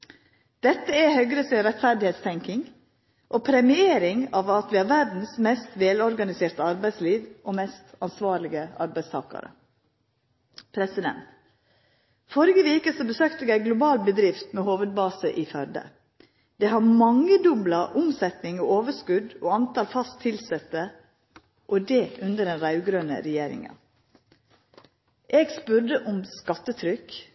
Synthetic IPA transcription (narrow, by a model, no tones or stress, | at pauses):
d̪̥ɛt̪ːəɛhœɡɾəsɪnɾɛt̪fæɾd̪ɪheːt̪st̪ʰɛŋkɪŋ | ʔopʰɾɛmɪeːɾɪŋɑʋɑt̪ʋɪːhɑɾʋæɾd̪n̩smɛst̪ʋeːlɔɾɡɑnɪseːɾt̪əɑɾbæɪsliːʋʔomɛst̪ɑnsʋɑːɾɭɪɡəɑ̰ɾbæɪst̪ʰɑ̰ːkɑ̰ɾə̰ | pʰɾɛsɪd̪ɛ̰nt̪ | fɔɾɪɡəʋiːkəsɔbəsøːkt̪əɡæɪɡlʊbɑːlbəd̪ɾɪft̪mɛːhoːʋəd̪̚bɑːsəʔifœɾd̪ə̰ | d̪̥ɛɦɑɾmɑŋːəd̪ʊblɑʔʊmsɛt̪nɪŋoːoːʋəʂkʉd̪oːɑnt̪ʰɑlfɑst̪ʰːɪlsɛt̪ːə | ʔɔd̪ɛʉnd̪əɖɛnɾɑʉɡɾøːnə̰ɾɛjeːɾɪ̰ŋə̰ | ʔeːɡspʉɾdəʔʊmskɑt̪ːət̪ʰɾʏk